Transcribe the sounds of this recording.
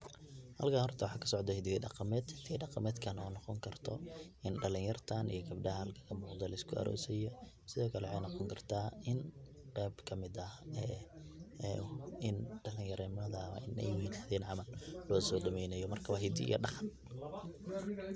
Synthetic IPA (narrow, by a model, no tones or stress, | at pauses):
hɐ̰lkʰaːnhɔrt̪ʰɐwɑħɑːkʰɐ̥sɔʕd̪ɐhɛɪd̪ɪɡɛɖɑqɑmɛːd̪hɪt̪ɛɖɑqɑmɛːd̪kʰɐnɔːnɔqɔŋkʰɐrt̪ʰɔʔɪnɖɐlɪŋjɐrt̪ʰanḭjɔɡɐbɖɐhɐhɐlkʰɐ̥kʰɐmuːqd̪ɐlɪskʰʊʔɐ̰ɾʔɔ̰ːsɛjɔ | sɪðɔːkʰɐlɛwħɑjnɑqɔŋkʰɐrt̪ʰaːʔɪn | qɛːbkʰɐmɪd̪ɐɛ | ɪnɖɐlɪjɐɾɛːmɐðɐɐ̰ʔɪnɛ̰jhiːnðɛːnʕɑmɐllɔːsɔːɖɐmɛjnɐjɔmɐrkʰɐwaɦɪd̪ḭʔḭjɔ̰ɖɑχɑn